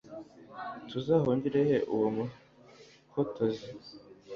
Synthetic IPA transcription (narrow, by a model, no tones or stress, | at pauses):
tuzahoːɲɟiɾejeʔuwomu | hotʰozi